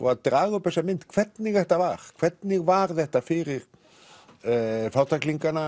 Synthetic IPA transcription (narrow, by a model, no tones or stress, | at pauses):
ɔ̰ad̪ɾaːɣʊpɛsamɪnt̪kʰv̥ɛɾt̪nɪɣðɛht̪avaɾ̥kʰvɛɾt̪nɪɣvaɾðɛht̪afɪɾɪɾ | fawt̪akliŋkana